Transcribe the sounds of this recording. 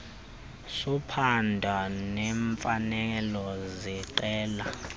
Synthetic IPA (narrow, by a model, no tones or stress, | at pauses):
supʰandʱanɛɱfanɛɛlɔziǃɛːla